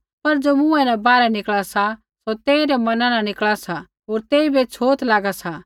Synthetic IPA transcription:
pɐɾd͡ʒoːmʊ̃ɛ̃nɛ̃baːɾɛnɪkɭasa | sot̪eːiɾɛmɐnãnãnɪkɭasa | ɦoːɾt̪eːibet͡ʃʰoːt̪laːɡasa

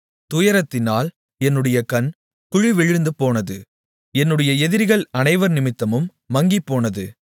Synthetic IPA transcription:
t̪ʊjɐɾɐt̪ːɪnaːl | ɛnːɯɽɐjɐkɐn | kʊɻiʋɛɻɯɯnd̪ɯpːoːnɐðɯ | ɛnːɯɽɐjɐɛðɪɾɣɐɭɐnɐɪʋɐɾnɪmɪt̪ːɐmɯmːɐŋɡipːoːnɐðɯ

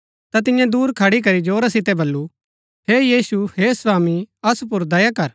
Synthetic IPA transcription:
t̪at̪ɪjãd̪uːɾkʰɐɽik̬ɐɾid͡ʒoːɾasɪt̪ɛbɐlːu | ɦejiːsuhesʋaːmiɐsup̬ʊɾd̪ɐjakɐɾ

